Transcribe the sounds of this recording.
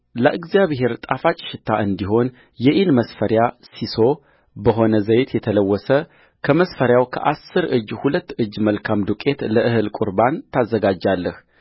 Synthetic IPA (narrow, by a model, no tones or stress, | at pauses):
ləʔɨɡzijaβɦe̞ɾt̪ʼafat͡ʃʼɪ̥ʃɪt̪ʰːaʔɨnd̪iɦo̞n | jɛʔinməsfəɾjasiso̞ | bəɦo̞nəzəjt̪jɛt̪ʰələwːɔsə | kʰəməsfəɾjawkʰə̰ʔasːɨɾʔɨd͡ʒːhulət̪ːɨd͡ʒːməlkʰamd̪ukʼe̞t̪ləʔɨhɨlkʼuɾbant̪ʰazːəɡad͡ʒːalːəh